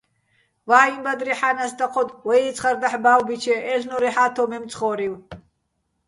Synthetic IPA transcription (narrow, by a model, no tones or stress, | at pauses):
vaːimbad̪riħanasd̪aqʰɔd̪wɛit͡sʰχaɾd̪aħbaːwbit͡ʃʰɛʔɛɬnɔɾiħat̪ʰɔmɛmt͡sʰʼχɔɾiw